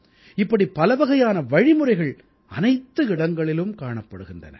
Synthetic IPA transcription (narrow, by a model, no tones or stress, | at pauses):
ɪpːɐɽipːɐlɐʋɐɣɐjaːnɐʋɐɻɪmɯɾɐɪɣɐɭ | ɐnɐɪt̪ːɯɪɽɐŋɡɐɭɪlɯmkaːɳɐpːɐɽɯɣɪndɐ̰nɐ̰